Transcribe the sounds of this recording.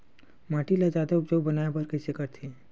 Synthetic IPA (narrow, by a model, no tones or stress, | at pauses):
maːʈilad͡ʒaːd̪aʊpd͡ʒoːɡ̚bɐnaːjebɐɾkɛsekɐɾt̪ʰi